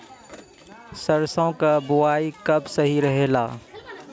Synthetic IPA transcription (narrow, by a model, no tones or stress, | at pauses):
sɐɾsõkabʊwaːikɐbsɐɦiɾɐɦeːlaː